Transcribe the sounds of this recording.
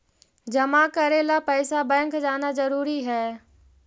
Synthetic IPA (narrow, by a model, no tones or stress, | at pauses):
d͡ʒɐmakɐɾelapɛːsabɛ̃ːŋkd͡ʒaːnazɐɾuːɾiɦɛː